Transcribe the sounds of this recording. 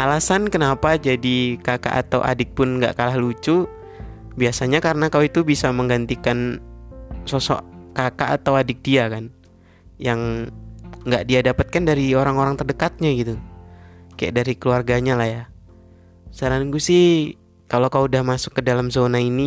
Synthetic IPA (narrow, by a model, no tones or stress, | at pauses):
ʔalasankənapad͡ʒadikaka̰ʔa̰t̪a̰wʔa̰dɪk̚pʊnŋɡa̰ʔkalahlut͡ʃu | biasaɲakaɾənakawit̪ubisaməŋɡant̪ikan | sɔsɔ̰ʔkakaʔat̪awadɪk̚diakan | jaŋ | ŋɡaʔdiadapat̪̚kandaɾioɾaŋoɾaŋt̪ərdəkat̪̚ɲaɡit̪u | kaja̰ʔdaɾikəluarɡaɲalahja | saɾanŋɡusɪh | kalokauudahmasʊ̥kːədalamzonaini